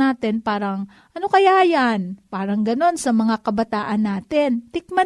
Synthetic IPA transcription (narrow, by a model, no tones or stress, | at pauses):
aːt̪ɪnpaːɾɐŋ | ʔɐno̞kɐjaʔjanpaːɾɐŋɡɐno̞nsɐmɐŋakɐbɐt̪aːʔɐnːaːt̪ɪnt̪ɪk̚mɐ